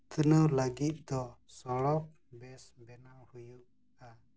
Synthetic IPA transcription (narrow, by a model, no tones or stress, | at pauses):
t̪ʰənəwləɡit̪̚ˀd̪ɔsɔɽɔk̚ | bɛsbɛnawhujuʔ | a